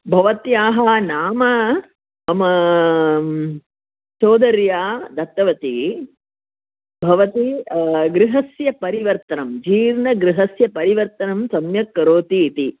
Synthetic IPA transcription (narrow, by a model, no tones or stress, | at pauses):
bʱɐʋɐt̪jaːɦɐnaːmɐ | ɐmɐ | soːd̪ɐɾjaːd̪ɐt̪ːɐʋɐt̪i | bʱɐʋɐt̪iɡɾɪɦɐsjɐpɐɾiʋɐɾt̪ɐnɐmd͡ʒiːɾnɐɡɾɪɦɐsjɐpɐɾiʋɐɾt̪ɐnɐmsɐmjɐkːɐɾoːt̪iːt̪i